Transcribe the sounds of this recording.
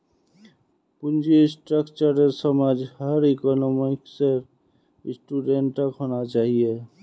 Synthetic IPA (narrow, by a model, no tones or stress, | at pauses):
pund͡ʒisʈɾəkt͡ʃəɾeɾsəmad͡ʒhəɾekɔnomikseɾ | sʈuɖeɳʈːəkɦonat͡ʃaɦie